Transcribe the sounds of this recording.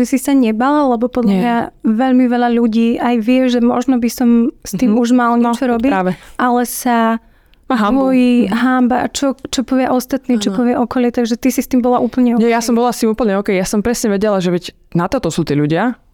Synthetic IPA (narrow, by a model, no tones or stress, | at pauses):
isisaɲɛbaːlalɛbɔpɔd̪lamɲaʋɛʎmiʋɛʎaʎuɟiːʔajʋɪɛʒɛmɔ̰ʒnɔbisɔmst̪iːmuʒmalɲɛɛt͡ʃɔɾɔbiɾaːʋɛʔalɛsa | ɦaɔjiɦambaa̰t͡ʃɔt͡ʃɔpɔʋɪaʔɔst̪at̪niːt͡ʃɔpɔʋɪaʔɔkɔlɪɛt̪aɡʒɛt̪isist̪iːmbɔlaʔuːpl̩ɲɛɔɲɛjasɔmbɔlast̪iːmuːpl̩ɲɛɔːkɛjjasɔmpɾɛsɲɛʋɛɟɛlaʒɛʋɛɟ | nat̪ɔt̪ɔsuːt̪iːʎuɟɪa